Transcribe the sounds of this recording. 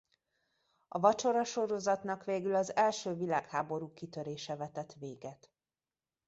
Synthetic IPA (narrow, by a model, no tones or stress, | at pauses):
ɒvɒt͡ʃo̞ɾɒʃo̞ɾo̞zɒt̪nɒkʋeːɡylɒzɛlʃøːvilaːkhaːbo̞ɾuːkit̪ø̞ɾeːʃɛvɛt̪ɛt̪ʋeːɡɛt̪